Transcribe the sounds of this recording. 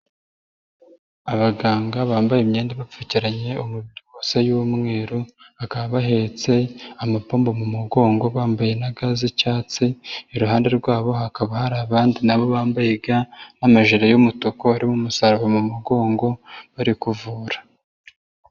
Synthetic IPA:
aβaɡaːŋɡaβaːmbajemɲeːndeβafuciɾaɲe̞umuβiɾiwosejumŋeːɾu | akaβaβaɦet͡se̞amapoːmbo̞mumuɡo̞ːŋɡo̞βaːmbajenaɡazicaːt͡siiɾuɦaːnde̞ɾɡwaːβo̞ɦakaβahaɾaːβaːndinaβo̞βaːmbajeɡanamaʒiɾajomutokoaɾimumusaɾaβamumuɡo̞ːŋɡo̞βaɾikuvuːɾḁ

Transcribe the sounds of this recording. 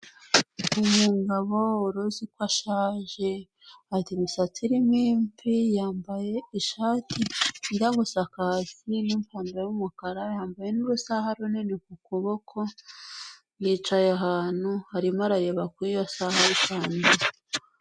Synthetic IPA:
umuːŋɡaβooɾozikwaʃaːʒe̞ | atimusat͡siɾimiːmfijaːmbaje̞iʃaːtʰinɡaɡusakaːziniːmpʰaːndajumukaɾajaːmbajenuɾusaɦaɾuninekukuβokʰo̞ | njiːt͡ʃajaɦaːn̥huhaɾimaɾajeβakwijasahaɾikaːnda

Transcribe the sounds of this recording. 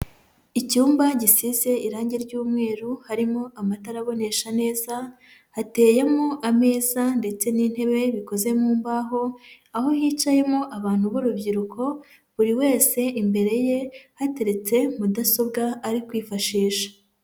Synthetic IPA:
icuːmbaɟisize̞ʔiɾaːɲɟeɾɟuːmŋe̞ːɾuhaɾimo̞ʔamataɾaβo̞ne̞ʃane̞ːza | hate̞ːjemoʔame̞ːzande̞t͡se̞nin̥he̞βe̞βiko̞ze̞muːmbaɦo̞ | aɦo̞hiːt͡ʃaje̞moʔaβaːn̥huβoɾubɟiɾukʰo̞ | βuɾiwe̞ːse̞ʔimbe̞ɾe̞je̞hate̞ɾe̞t͡se̞mudaso̞bɡaːɾikwiːfaʃiːʃḁ

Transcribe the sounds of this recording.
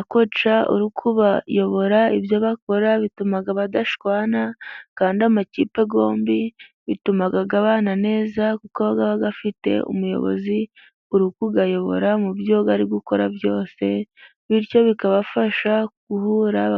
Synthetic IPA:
akot͡ʃaṵɾukʰuβajo̞βo̞ɾaibjo̞βako̞ɾaβitumaɡaβadaʃkwaːnakaːndiamaciːpe̞ɡo̞ːmbi | βitumaɡaɡaβaːnane̞ːzakukoβaɡaβaɡafite̞̰ṵmujo̞̰βo̞̰zi | uɾukuɡajo̞βo̞̰ɾamubjo̞ɡaɾiɡuko̞ɾajo̞ːse̞ | βiɾco̞βikaβafaʃaɡ̥uhuːɾa

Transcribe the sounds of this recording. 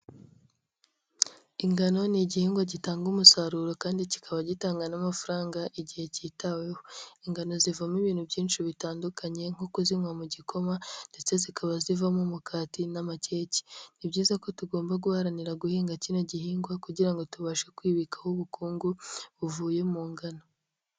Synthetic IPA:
iŋɡano̞niɟihiːŋɡwaɟitaːŋɡumusaɾuːɾokaːndici̥kʰaβaɟitaːŋɡanamafuɾaːŋɡaʔiɟihe̞ciːtawehoiŋɡano̞zivamiβiːn̥hubɟiːnʃiβitaːndukaɲe̞ŋ̥okuziŋwamuɟikʰo̞mande̞t͡se̞zikʰaβazivamumukʰaːtinamace̞ːci̥niβɟiːzako̞tuɡo̞ːmbaɡuhaɾaniɾaɡuhiːŋɡacino̞ɟihiːŋɡwakuɟiɾaŋɡo̞tuβaʃekwiːβikḁhuβukuːŋɡuβuvuːje̞muːŋɡano

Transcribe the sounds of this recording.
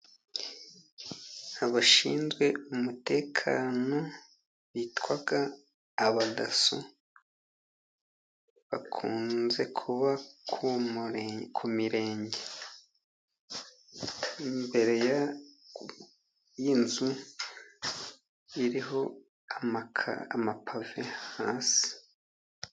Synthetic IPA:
aβaʃḭːnzɡwe̞umute̞ːkʰaːno̞ | βitwaɡaː | βada̰su | βakʰuːnze̞kʰuβakʰu | kʰumiɾe̞ːɲɟe̞ | imbe̞ɾe̞ja | jinzu | iɾiɦo̞ | aa̰amapʰavehaːnsi̥

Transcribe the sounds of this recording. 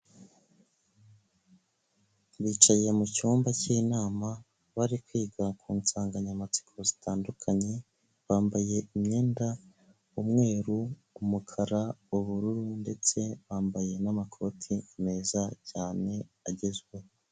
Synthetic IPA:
βiːt͡ʃaje̞mucuːmbacinaːma | βaɾikwiːɡakʰuːnsaːŋɡaɲamat͡si̥kʰozitaːndukʰaɲe̞ | βaːmbaje̞imɲe̞ːnda | umŋe̞ːɾu | umukʰaɾauβuɾuɾunde̞t͡se̞βaːmbaje̞namakʰo̞ːtʰime̞ːzacaːne̞ | aɟe̞zɡwe̞

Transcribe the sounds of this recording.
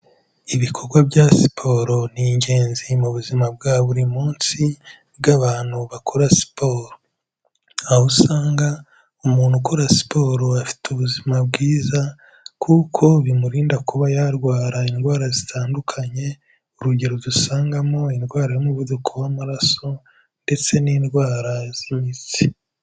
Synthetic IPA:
iβikʰo̞ɾɡwabɟasi̥pʰo̞ːɾo̞n̥iɲɟe̞ːnzimuβuzimab̚ɡaːβuɾimuːnsi | bɡaβaːn̥huβakʰoɾasi̥poːɾo | ahusaːŋɡa | umuːnhukoɾasi̥po̞ːɾoafi̥tuβuzimabɡiːza | kʰukʰo̞βimuɾiːndakuβajaɾɡwaːɾaindɡwaːɾazitʰaːndukʰaɲe̞ | uɾuɟe̞ɾozusaːŋɡamo̞indɡwaːɾajomuβudukʰo̞wamuɾaso̞ | nde̞t͡se̞niːnɡwaːɾaz̥imit͡si̥

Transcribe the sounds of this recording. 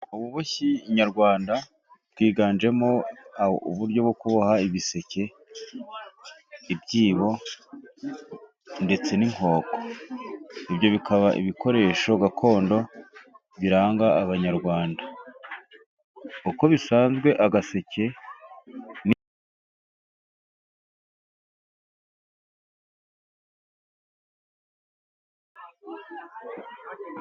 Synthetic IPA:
uβuβoçiɲaɾɡwaːnda | b̥̚ɡwiːɡaːnd͡ʒe̞mo̞ | uβuɾɟo̞βbɡokuβahaiβise̞cʰe̞ | ibɟiːβo̞ | nde̞t͡se̞niŋ̥o̞ːkʰo̥ | ibjo̞βikʰaβaʔḭβikʰo̞ɾe̞ːʃo̞ɡakʰo̞ːndo̞ | βiɾaːŋɡaːβaɲaɾɡwaːnda | uko̞βisaːnzɡwe̞ʔaɡase̞cʰe̞ | n

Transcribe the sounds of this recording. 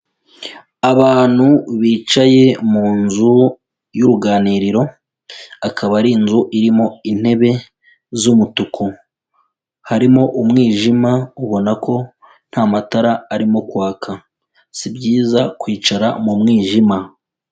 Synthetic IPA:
aβaːn̥huβiːt͡ʃaje̞muːnzu | juɾuɡaːniːɾiɾo̞ | akʰaβaɾinzuʔiɾimo̞in̥he̞βe̞ | zumutukʰo | haɾimo̞ʔumŋiːʒimauβo̞nako̞ | n̥haːmataɾaːɾimo̞kwaːkʰa | sibjiːzakwiːt͡ʃaɾamumŋiːʒima

